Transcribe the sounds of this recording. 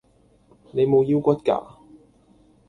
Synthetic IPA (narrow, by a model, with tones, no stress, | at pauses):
ne˨˧jmo˨˧wji˧wkʷɐ˥t̚ka̰ː˧